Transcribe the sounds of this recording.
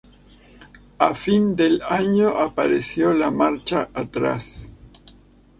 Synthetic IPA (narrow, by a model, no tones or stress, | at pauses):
afind̪elaɲoʔapaɾesjo̞lamaɾt͡ʃaʔat̪ɾa̰s